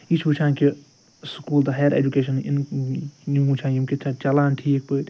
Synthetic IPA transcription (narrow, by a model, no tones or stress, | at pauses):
it͡ʃʰuːt͡ʃʰãːnki | skuːld̪ɐɦejɾḛːd͡ʒukeːʃɐnin | uut͡ʃʰãːjimkit͡ʃʰat͡ʃɐlaːnʈʰiːk̚pət̪